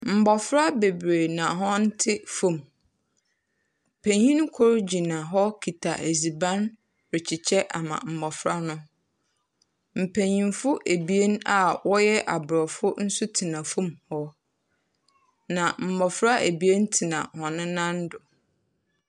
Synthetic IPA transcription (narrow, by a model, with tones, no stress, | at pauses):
m̩˨bɔ˨fɾa˦be˨bɾe˨nã˨ɦɔ̃˦n̩˦tʰɪ˦fũ˦˨m | m̩˨pʰẽ˨ɲĩ˦ñ˦kʰɔ˦ɾd͡ʑi˨nã˨ɦɔ˦kʰi˨tʰa˨ʔe˨zi˨bã˦n | ɾɪ˨t͡ɕʰɪ˨t͡ɕʰɛ˦ʔa̰˨mã̰˨m̩˨bɔ˨fɾa˦nʊ̃˦ | m̩˨pʰẽ˨ɲĩ˨nfʊ˦ʔæ˨bi˨e˦n˦a˨wʔɔ˦jɛ˦ʔa˨bɾɔ˨fʊ˦n̩˦sʊ˦tʰi˨nã˨fũ˦mhɔ˦ | nã˨m̩˨bɔ˨fɾa˦ʔæ˨bi˨e˦n˦tʰi˨nã̰˨hɔ̃˨nʊ̃˦nã˦n˦dʊ˨